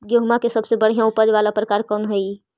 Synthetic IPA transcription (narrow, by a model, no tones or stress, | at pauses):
ɡjoɦmakesəbsebəɽ̤ijãʊpəd͡ʒʋaːlapɾəkaːɾkɔːnɦoi